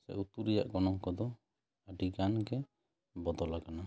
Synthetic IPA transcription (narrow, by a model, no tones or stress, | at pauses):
sɛ̰ut̪uɾɛja̰ʔɡɔnɔŋkɔd̪ɔ | əɖiɡanɡɛ | bɔd̪ɔlaɡana